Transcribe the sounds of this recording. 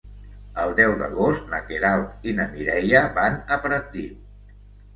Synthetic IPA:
əlˠd̪ɛwðə̰ɣost̪nəkeɾalˠt̪inəmiɾɛjəβanəpɾət̪i

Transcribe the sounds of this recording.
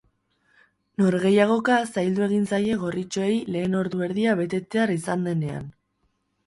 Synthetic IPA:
no̞ɾɣe̞jaɣ̞o̞kasajld̪ue̞ɣ̞insaje̞ɣ̞o̞rit͡ʃoe̞jle̞ːno̞ɾðue̞ɾðiaβe̞t̪e̞t̪e̞arisand̪e̞ne̞a̰n

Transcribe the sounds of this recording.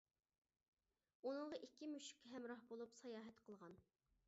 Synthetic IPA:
unɨŋʁɑʔikʲːimyʃy̥kʲʰːɦɛmɾɑhbolˠupsɑjɑːɦɛt̪qʰəlˠʁɑn

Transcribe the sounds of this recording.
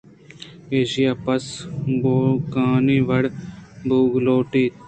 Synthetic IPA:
eːʃijaːpɐsboːkaːniːʋɐɽbʱuːɡloːʈiːt̪

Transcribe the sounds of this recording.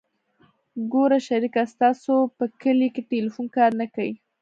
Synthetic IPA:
ɡoɾaʃaɾikast̪ɑsopəkəlikeʈelifunkɑɾnakawi

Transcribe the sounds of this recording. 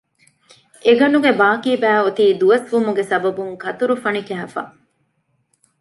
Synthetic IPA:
eɡɐnuɡebaːkiːbæːot̪iːd̪uɐsʋumuɡesɐbɐbuŋkɐt̪uɾufɐnikæɦɐfɐ̰

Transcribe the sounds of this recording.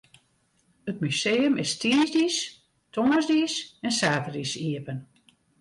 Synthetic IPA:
ət̚myseːəmʔɪstiːnzdis | tʰoŋəzdisɛnsaːtərisiəpən

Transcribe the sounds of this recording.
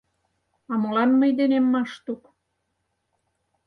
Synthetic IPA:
ɑmolɑnməjd̪enemːɑʃt̪uk

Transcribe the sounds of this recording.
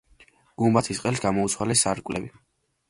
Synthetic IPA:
ɡ̥umbat̪ʰisqʼɛlˠsɡamɔut̪sʰwalɛsaɾkʼlɛ̰bi

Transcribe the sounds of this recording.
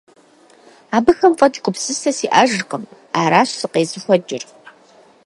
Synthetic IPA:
aːbɨxɐmfʼɐdiqʷʼʊpsɨsʰɐsiːʔaːʒqəm | aːɾaːɕsɨqeːzɨxʷɔd͡ʒɪr

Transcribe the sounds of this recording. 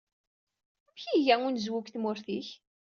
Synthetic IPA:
æmçiʝæŋunzwukθmʊɾθiç

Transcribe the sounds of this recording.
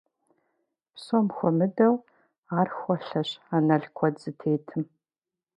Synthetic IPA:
psomxʷɔmɨdɐw | aːrxʷɔɬɐɕaːnɐɮkʷʰɔdz̥ɨtʰeːtʰɨm

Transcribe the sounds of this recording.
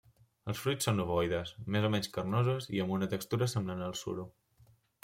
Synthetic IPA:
əlˠsfɾujt͡sːonuβɔjðəsmezomɛɲskərnozəziəmbunət̪əkst̪uɾəsəmblanəlˠsṵɾu

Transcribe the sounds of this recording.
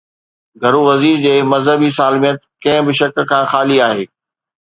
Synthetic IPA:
ɡʱɐɾuʋɐziːɾd͡ʑeːmɐzɦəbisaːlmijət̪kɐ̃ɦɪ̃bɪʃɐkkʰãːxaːliaːɦeː

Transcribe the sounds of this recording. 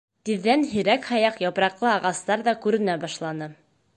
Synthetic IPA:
t̪iðːænɦĭɾækhɑjɑqjɑpɾɑqlˠɤɑʁɑst̪ɑɾðɑkʉɾɘ̆næbɑʃlˠɑnɤ

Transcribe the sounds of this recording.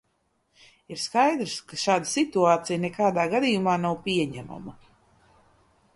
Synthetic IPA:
iɾskajd̪ɾskaʃaːd̪əsit̪uaːt̪sijnɛkaːd̪aːɡad̪ijumaːnawpʲiɛɲæma̰mɐ

